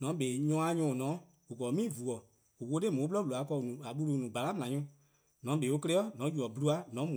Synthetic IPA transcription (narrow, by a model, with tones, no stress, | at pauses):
nɔ̃˨˦beː˨ɲɔ̃˧˦a˧˦ɲɔ̃˧˨nɔ̃˨˦ | u˨kɔ˨˦mĩː˦˨vu˨ɔ˨ | u˨wo˧˦te˦mõ˨˦plɔ˦bu˨a˨˦kɔ˧˨nũ˨a˨ɓu˧lu˧˨nũ˨ɡ͡ba˨la˦m˨ã˨˦ũ˦ | nɔ̃˨˦be˨˦o˧ke˧lɛ˦ɔ˦nɔ̃˨˦ju˨ɔ˨bu˧lu˧˦a˧˦nɔ̃˨˦mũ˨